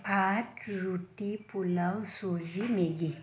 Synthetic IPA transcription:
pʰaʈɾuʈipulawsoʑimeɡi

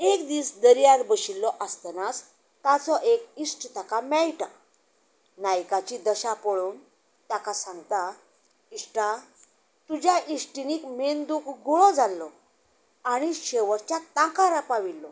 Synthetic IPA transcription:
ekd̪iːsd̪əɾjaɾbəɕilːɔʔast̪ənas | t̪at͡sɔʔekisʈt̪akamɛɭʈa | najkat͡ɕid̪əɕapəɭuːn | t̪akʰasãŋɡt̪a | isʈa | t̪ud͡ʑjaʔisʈiniːkmend̪ukɡuɭɔd͡zalːɔ | aɽ̃iɕeʋəɾt͡ɕjat̪ãkaɾapaʋilːɔ

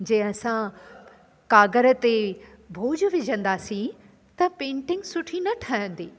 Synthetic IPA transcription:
d͡ʑɐ̃ɦɪ̃ɐsã | kaːɡəɾə̆t̪e | bʱoːd͡ʑʋɪd͡ʑʱə̃nd̪aːsĩ | t̪ɐpẽːɳʈɪ̃ŋɡsʊʈʰinɐʈʰaːɦjə̃nd̪iː

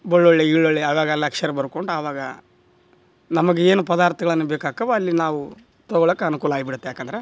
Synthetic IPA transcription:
boɭːoɭːeiɭːoɭːeɐːʋaːɡɐlːɐkʂɐɾebɐɾukoɳɖuaʋaːɡɐ̰ | nɐmɐɡeeːnupɐd̪aːɾt̪ɐɡɐɭɐnːubeːkaːkɐʋɐːlːinaːʋu | t̪ɔɡɔɭɐkːeɐnukuːlɐaːɡibiɽut̪ːeaːkɐnd̪ɐɾe

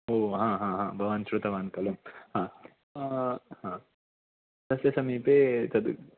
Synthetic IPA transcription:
oːɦãːɦãːɦãːbʱɐʋaːnʃɾut̪ɐʋaːnkɐlumhãː | hãː | sɐsjɐsɐmiːpeːt̪ɐd̪u

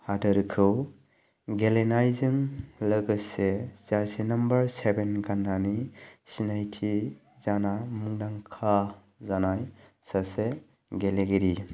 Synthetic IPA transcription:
hadɯɾkʰɯw | ɡelenajzɯŋlɯɡɯsez̥aɾsenɐmbəɾsebenɡanːanisinajtʰi | zanamuŋdaŋkʰa | zanaj | sase | ɡeleɡiɾi

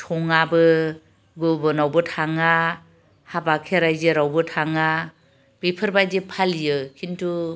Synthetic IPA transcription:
tʰɔŋabɯ | ɡɯbɯnawbɯtʰaŋa | habakʰeɾajzeɾawbɯtʰaŋa | b̥epʰɯɾbajdepʰalijɯkʰintʰu

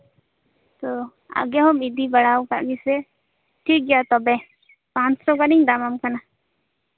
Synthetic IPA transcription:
t̪o | a̰ɡɛɦɔmid̪ibəɽawka̰ʔɡisɛ | ʈʰik̚ɡɛjat̪ɔbɛ | pãt͡ʃsɔkaniɲd̪amamkana

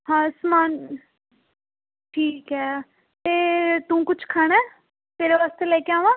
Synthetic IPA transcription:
ɦãːsmaːn | ʈʰiːkɦɛː | t̪eːt̪ũːkʊt͡ʃʰkʰaːɽ̃ɛː | t̪eːɾeːʋaːst̪eːlɛːkeaːʋãː

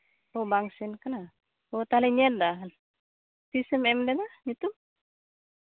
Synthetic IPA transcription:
obaŋsinkana | ot̪alɛɲɛl̚d̪al | pisɛmɛmdɛd̪aɲit̪um

